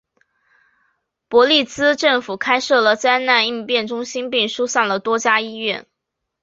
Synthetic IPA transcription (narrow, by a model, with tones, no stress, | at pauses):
pwɔ˧˥li˥˩t͡sɹ̩˥ʈ͡ʂɤ˥˩ŋfu˨˩kʰa˥ɪʂɤ˥˩lə˩t͡sa˥˧ɪna˥˧ni˥˧pjɛ˥˩nʈ͡ʂʊ˥ŋɕi˥npi˥˩ŋʂu˥ɕɑ˥˩ŋd̪ə˩t̪wɔ˥t͡ɕja˥i˥ɥɛ˥˩n